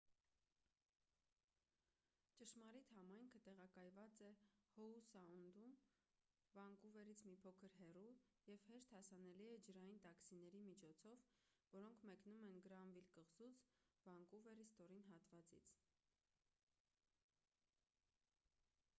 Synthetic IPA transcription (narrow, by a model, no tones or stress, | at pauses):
t͡ʃəʃmɑɾit̪hɑmɑjŋkʰət̪ɛʁɑkɑjvɑt͡sɛhɔusɑund̪um | vɑŋkuvɛɾit͡sʰmipʰɔkʰəɾɦɛrujɛvhɛʃt̪hɑsɑnɛliɛd͡ʒəɾɑjint̪ɑksinɛɾimit͡ʃʰɔt͡sʰɔv | vɔɾɔŋkʰmɛknumɛnɡəɾɑnvilkəʁzut͡svɑŋkuvɛɾist̪ɔɾinɦɑt̪vɑt͡sḭt͡sʰ